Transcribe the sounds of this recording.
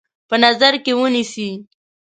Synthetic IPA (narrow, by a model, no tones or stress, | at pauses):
pənazaɾkewənisi